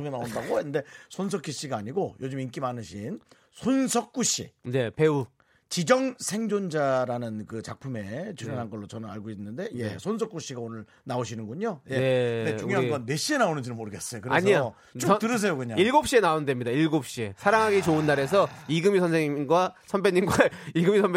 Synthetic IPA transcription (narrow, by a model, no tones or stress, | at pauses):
oɡenaondaɡoenːɯnde̞sʰons̬ʰʌk͈iɕ͈iɡaːɲiɡojod͡ʑɯmink͈imanɯɕʰin | sʰonsʰʌk͈̚uɕ͈ḭne̞pe̞u | t͡ɕid͡ʑʌŋsʰe̞ŋd͡ʑond͡ʑaɾanɯnkɯt͡ɕak̚pʰume̞t͡ɕuʌnɦanɡʌɭːot͡ɕʌnɯna̰ɭɡoinːɯnde̞je̞̰sʰons̬ʰʌk͈uɕ͈iɡaonɯɭ | naoɕ̬ʰinɯnɡuɲojeeet͡ɕuŋeoaaɡʌnːe̞ɕ͈ie̞naonɯɲd͡ʑinɯnmoɾɯɡe̞s͈ʌjokɯɾeaɲsɲia | t͡ɕtɯɾɯs̬ʰejokɯɲaiɭɡop̚ɕ͈ie̞naondwemɲidaiɭɡop̚ɕ͈ie̞sʰaɾaŋɦaɡit͡ɕounːaɾe̞sʰʌiɡɯmisʰʌnsʰeŋiinɡwasʰʌnbeɲːinɡwaiɡɯmisʰʌnb